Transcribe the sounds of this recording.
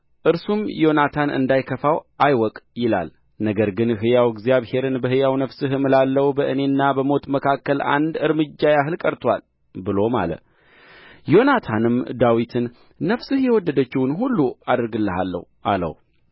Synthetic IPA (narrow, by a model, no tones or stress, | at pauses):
ʔɨɾsumjo̞nat̪ʰanɨ̰nd̪ajkʰəfawʔajwɔkʼjɪla̰l | nəɡəɾɡɨnɦɨjawɪɡzijaβhe̞ɾɨnbəhɨjawnəfsɨɦɨmɨlalːəwbəʔɨne̞nːabəmo̞t̪məkʰakːəla̰nd̪ɨɾmɨd͡ʒːajaɦɨlkʼəɾt̪ʰwa̰l | bɨlo̞ma̰lə̰ | jo̞nat̪ʰanɨmd̪awit̪ʰɨnː | əfsɨhjɛwɔd̪ːəd̪ət͡ʃːɪwnɦulːuad̪ɾɡɨlːəɦa̰lːə̰hʔa̰lə̰h